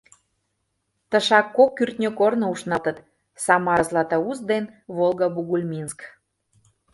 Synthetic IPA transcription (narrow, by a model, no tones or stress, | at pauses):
t̪ə̆ʃɑkːokːyrt̪ʲnʲøkornŏuʃnɑt̪ə̆t̪ | sɑmɑɾəzlɑt̪ə̆uzd̪enβolˠɣəbuɣulʲmʲinsk